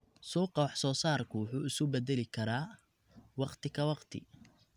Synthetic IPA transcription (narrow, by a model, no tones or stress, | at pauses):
suːqɑwɑħsɔːsaːrkʰʊwʊħuːɪskʊbɛðɛlɪkʰɐɾaː | wɑqt̪ʰɪkʰɐwɑqt̪ʰɪ̰